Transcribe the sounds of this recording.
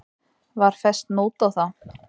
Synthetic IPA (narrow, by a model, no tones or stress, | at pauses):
vaɾ̥fɛst̪noːwt̪awθaw